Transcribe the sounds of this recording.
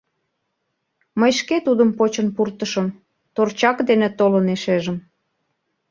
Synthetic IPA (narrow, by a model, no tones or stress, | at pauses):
məjʃket̪ud̪əmpot͡ɕənpurt̪əʃəm | t̪ort͡ɕɑkd̪enet̪oləneʃeʒəm